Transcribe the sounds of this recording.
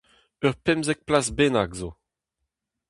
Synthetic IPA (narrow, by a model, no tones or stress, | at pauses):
œʁpɛmzɛk̚plasbenakzo